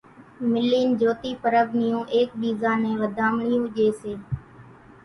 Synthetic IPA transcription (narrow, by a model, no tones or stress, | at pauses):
mɪliːnd͡ʒoːt̪iːpəɾəʋnɪjũːʔeːk̚ɓiːzãːnẽːʋəd̪ʱaːmɳɪjũːʄeːseː